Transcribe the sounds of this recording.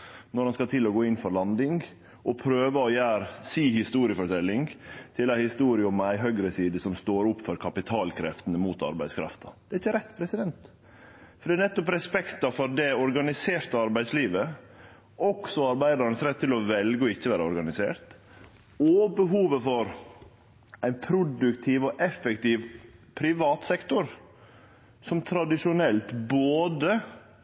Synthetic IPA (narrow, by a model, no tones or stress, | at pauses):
nɔɾhɑnskɑt̪ʰɪlɔɡoːɪnːfɔɾlɑnd̪ɪŋ | ʔɔpʰɾøːʋəɔjæːɾsiːhɪst̪uːɾɪəfɔʈʰɛlːɪŋt̪ʰɪlæɪhɪst̪uːɾɪəɔmæɪɦœɡɾəsiːd̪əsɔmst̪oːɾʊpːfɔɾkʰɑpɪt̪ʰɑːlkʰɾɛft̪ənəmuːt̪ɑ̰ɾbæɪskʰɾɑ̰ft̪ɑ̥d̪ɛæɾɪçːəɾɛt̪ːpʰɾɛsɪd̪ɛnt̪ | fɔɾɖ̪ɛːnɛt̪ːɔpɾɛspɛkt̪ɑfɔɾd̪ɛɔɾɡɑnɪseːɾt̪əɑɾbæɪsliːʋə | ʔɔksɔɑɾbæɪd̪ɑɾnəsɾɛt̪ʰːɪlɔʋɛlɡəɔɪçːəʋæːɾəɔɾɡɑnɪsḛːɾt̪ | ɔbəɦuːʋəfɔɾ | æɪnpʰɾʊd̪ʉkt̪ʰiːʋɔʔɛfɛkt̪iːʋpʰɾɪʋɑːt̪sɛkt̪ʊɾ | sɔmt̪ʰɾɑd̪ɪʂʊnɛlt̪boːd̪ə